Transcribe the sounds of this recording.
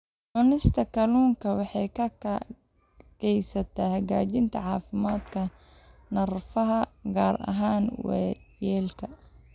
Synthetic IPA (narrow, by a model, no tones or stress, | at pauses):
ʕʊnɪst̪ʰɐkʰɐluːŋkʰɐwɑħɑjkʰɐkʰɐ | ɡɛjsɐt̪ʰɐhɐɡaːt͡ʃɪnt̪ʰɐ̰ʕɑːfɪmaːd̪kʰɐ | nɐrfɐɦɐɡaːrɐ̰ɦaːnwɛ̰jɛːlkʰɐ